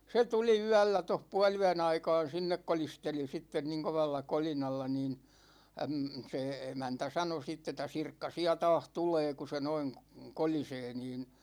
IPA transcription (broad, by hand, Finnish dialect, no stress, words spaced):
se tuli yælːæ toh puɑlyæn ɑikɑːn̞ sinːek kolisteli sitːen niŋ koʋɑlːɑ kolinɑlːɑ niːn əm se emæntæ sɑno sitː etˑæ sirkːɑ siæ tɑːh tuleː ku se noin koliseː niːn